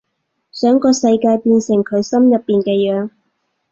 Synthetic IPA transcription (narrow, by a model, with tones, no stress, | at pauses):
sœː˨˥ŋkɔː˧sɐ˧jkaː˧jpiː˧nsɪ˨˩ŋkʰɵ˨˧ɥsɐ˥mjɐ˨pːiː˨nkɛː˧jœː˨˧ŋ